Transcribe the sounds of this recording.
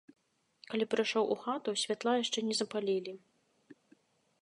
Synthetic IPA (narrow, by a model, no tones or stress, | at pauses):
kalʲipɾajʂɔwʔuxat̪usʲvʲat̪lˠajaʂt͡ʂɛnʲɛzɐpalʲilʲi